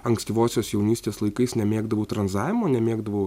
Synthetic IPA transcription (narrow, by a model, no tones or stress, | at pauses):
ɐŋksʲt̪ʲiːʋoːsʲoːssjɛʊnʲiːsʲt̪ʲeːslˠɐɪkɐɪsnʲɛmʲeːɡd̪ɐʋɐʊt̪ɾɐnzɑːʋʲɪmoːnʲɛmʲeːɡd̪ɐʋoʊ